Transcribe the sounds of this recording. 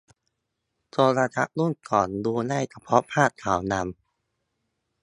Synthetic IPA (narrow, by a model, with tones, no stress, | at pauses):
t͡ɕo˧ɾaː˧t͡ɕʰa˦˥ʔlu˥˩nkɔː˨˩nduː˧na˥˩jt͡ɕʰa˧pʰɔ˦˥pʰaː˥˩t̪̚k̪ʰːaː˩˦wna˧m